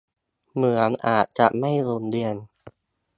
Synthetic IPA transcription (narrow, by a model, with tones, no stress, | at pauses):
mɯ˩˦ənʔaː˨˩t̪̚t͡ɕa˨˩ʔma˥˩jɾu˧ndi˧ən